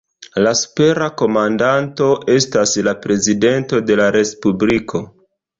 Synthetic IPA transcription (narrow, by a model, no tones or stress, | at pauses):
lasu̥pe̞ɾako̞mandanto̞ʔe̞staslapɾe̞zide̞nto̞de̞laɾe̞spublikʰo̞